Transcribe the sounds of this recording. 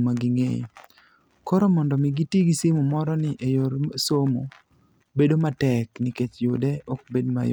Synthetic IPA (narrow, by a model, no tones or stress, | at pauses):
maɡɪŋḛj̰ | kɔɾɔmɔndɔmɪɡitiɡisɪmʊmɔɾɔnɪʔejoɾsomo̰ | bedomatɛknɪket͡ʃjʊdɛɔk̚bedma̰j